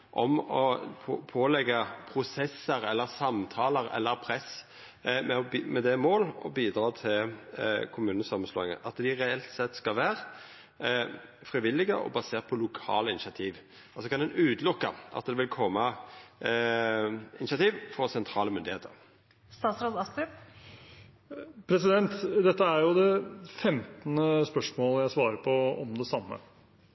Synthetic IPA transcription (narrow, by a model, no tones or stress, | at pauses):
ʔɔmɔpʰopʰoːlɛɡːəpʰɾʊsɛsːəɾɛlːəʁsɑmt̪ʰɑːləɾɛ̰lːəɾpʰɾɛs | mɛɔbmɛd̪ɛmoːlɔ̰biːd̪ɾɑːt̪ʰɪlkʰʊmʉːnəsɑmːənsloːɪŋə̰ʔɑt̪d̪ɪɾɛɛlt̪sɛt̪ːskɑlʋæːʁ | fɾɪʋɪlːɪɡəʔɔ̰bɑseːʁt̪̚pʰɔlʊkʰɑ̰ːləɪnɪʃɑt̪ʰiːʋ | ɑlsɔkʰɑnd̪ɛnʉːd̪lʊkːə̰ʔɑ̰t̪̚d̪ɛʋɪlkʰɔmːə | ɪnɪʃɑt̪iːʋfɔʁsɛnt̪ʰɾɑːləmʏnd̪ɪheːt̪ʰəɾ | st̪ɑːt̪sɾɑːd̪ɑst̪ɾɪp | pʰɾɛs̬ɪd̪ɛnt̪d̪ɛt̪ːəæɾjʊd̪ɛfɛmt̪ənəspœʂmoːləjæɪsʋɑːɾəpʰɔɔmd̪ɛsɑmːə̰